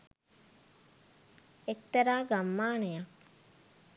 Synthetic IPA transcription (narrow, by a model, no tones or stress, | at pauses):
ek̚t̪ɐɾaːɡamːaːnejak̚